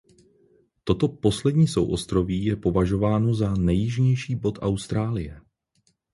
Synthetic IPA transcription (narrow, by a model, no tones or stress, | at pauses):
t̪o̞t̪o̞po̞slɛdɲiːso̰wʔo̞̰st̪ɾo̞viːjɛpo̞vaʒo̞vaːno̞zanɛjɪʒɲɛjʃiːbo̞t̪ʔawst̪ɾaːlɪjɛ